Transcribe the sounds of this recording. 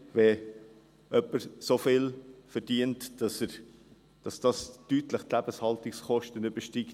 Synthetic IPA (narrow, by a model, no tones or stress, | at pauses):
vɛ | œpːəɾsofɪlfəɾd̥iəntd̥ɑsəɾ | d̥ɑsd̥ɑstytləχtlæb̥əshɑltɪksχɔʃtənyb̥əʃtik